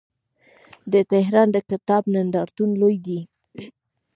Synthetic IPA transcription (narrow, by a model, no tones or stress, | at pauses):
d̪ət̪ɪɦɾɑnd̪əkɪt̪ɑbnand̪ɑɾt̪unlojd̪i